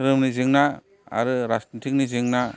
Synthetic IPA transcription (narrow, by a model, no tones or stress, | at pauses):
ɾɯmnizɯŋna | a̰ɾɯɾastantʰik̚nizɯŋna